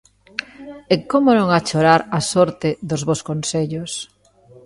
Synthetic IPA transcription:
ekomʊnõŋat͡ʃoɾaɾasɔɾt̪ɪðʊzβoskonseʎʊs

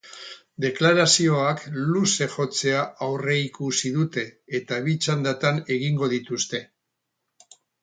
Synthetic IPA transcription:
d̪e̞klaɾasio̞akluse̞ʝo̞t͡se̞aʔawre̞ikusiðut̪e̞ːt̪aβit͡ʃand̪at̪ane̞ɣiŋɡo̞ðit̪ust̪e̞

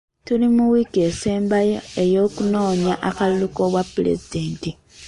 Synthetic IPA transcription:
tulimuwikese̞ːmbajoejo̞ːkuno̞ːɲaʔakaluluko̞βwapːulḛzide̞ːnti

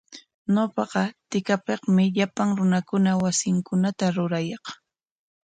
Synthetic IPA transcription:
nopɑqɑt̪ɪkapeχmɪʎapaŋɾʊnakʊnawasɪŋkʊnat̪aɾʊɾajɑq

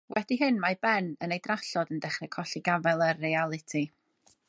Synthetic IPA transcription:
wɛdiɦɨnmajbɛnənejdraɬɔdəndɛχrɛkʰɔɬiɡavɛlˠərːealˠɨtʰi

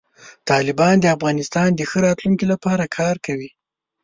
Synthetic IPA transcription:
t̪ɑlɪbɑnd̪əafɣɑnɪst̪ɑnd̪əxəɾɑt̪luŋkilapɑɾakʰɑɾkawi

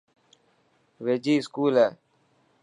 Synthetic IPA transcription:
ʋed͡ʑiːskuːle

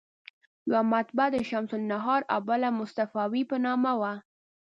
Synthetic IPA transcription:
jwamat̪bad̪əʃamsʊlnaɦɑɾa̰balamʊst̪afɑwipənɑmawa

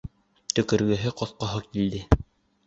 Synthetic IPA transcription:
t̪ɵ̆kɵ̆ɾɡɵ̆ɦɘqɒθqɑɦɤkild̪ɘ

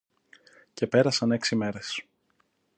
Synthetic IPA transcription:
ce̞pe̞ɾɐsɐne̞ksime̞ɾe̞s

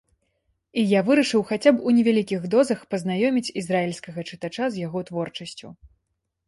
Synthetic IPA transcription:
ijavɨɾɐʂɨwxat͡sʲapunʲɛvʲalʲikʲiɣd̪ɔzɐxpɐznajɔmʲit͡sʲizraɛlʲskɐɣɐt͡ʂɨt̪at͡ʂazjaɣɔt̪vɔrt͡ʂɐsʲt͡sʲṵ

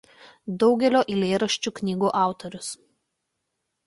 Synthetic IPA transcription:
d̪ɒʊɡʲɛlʲoːʔɪlʲeːɾɐʃʲt͡ʃʲuːknʲiːɡuːʔɑˑʊt̪ɔɾʲʊs

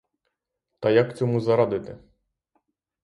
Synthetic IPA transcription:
t̪ɐjakt͡sʲɔmuzɐɾad̪ɪt̪ɪ

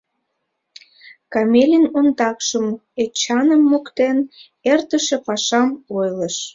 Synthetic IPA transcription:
kɑmʲelʲinond̪ɑkʃəmet͡ɕɑnəmːukt̪en | ert̪əʃepɑʃɑmojləʃ

